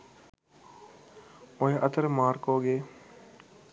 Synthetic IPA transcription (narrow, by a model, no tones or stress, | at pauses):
oɦeʔət̪əɾmaːɾkoːɡeː